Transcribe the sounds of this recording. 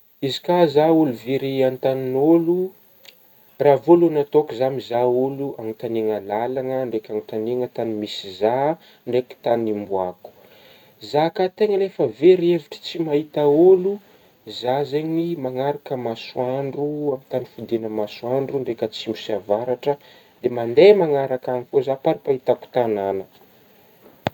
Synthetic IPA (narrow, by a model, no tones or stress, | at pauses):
izikazauluveɾiant̪aninolu | ravoluanat̪okuzamizauluʔaŋit̪aneŋəlalaŋəɳɖ͡ʐekʲaŋit̪aneŋət̪animisiza | ɳɖ͡ʐeki̥t̪animbuaku̥ | zakat̪eŋəlefəveɾieviʈ͡ʂə̥t͡simahit̪aulu | zazeɲimaŋaɾakəmaswaɳɖ͡ʐuamit̪anifud̪enəmaswaɳɖ͡ʐuɳɖ͡ʐekʲət͡simusiavaɾaʈ͡ʂə | d̪̥emand̪emaŋaɾakanifozapaɾpait̪aku̥t̪ananə